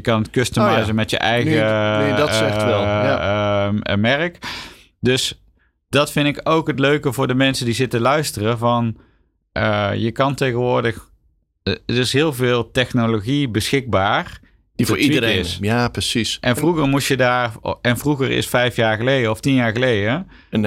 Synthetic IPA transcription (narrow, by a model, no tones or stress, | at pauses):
jəkɑnətkøstəmɛzəmɛtjə̰ʔɛjɣə | ɛɛlˠ | mɛrək | dɵs | d̥ɑtfɪndɪkowkɦətløɥkəvʊːɹdəmɛnsəndizɪtəlœɥstərəvɑn | ʔəjəkɑntejɣənʋʊːɹdəx | ərɪsɦɪːlˠvɪːlˠtɛxnoloɣibəsxɪɡ̚baːr | iiɪsjapəsisʔɛnvruɣərmutjədaːrɛnvruɣərɪ̰sfɛjfjaːɹɣəlejdəɔftinjaːɹɣəlejdə | n